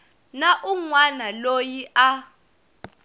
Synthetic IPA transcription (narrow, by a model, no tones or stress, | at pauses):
naʔuŋwanalojiʔa